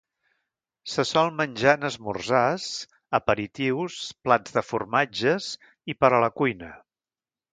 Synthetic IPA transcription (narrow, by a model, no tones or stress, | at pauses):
səsɔlˠmənʲʒaənəzmṵrzas | əpəɾit̪iwsplad͡zðəfurmad͡ʒəz | ipəɾələkujnə